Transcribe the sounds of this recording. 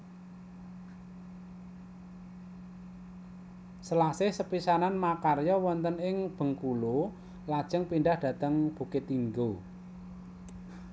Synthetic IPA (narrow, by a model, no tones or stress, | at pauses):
səlasɪhsəpisananmakarjɔwɔnt̪ənɪŋb̥ə̤ŋkulo | lad̥ʒ̥əŋpiɳɖahd̥ä̤t̪əŋb̥ṳkɪt̪iŋɡo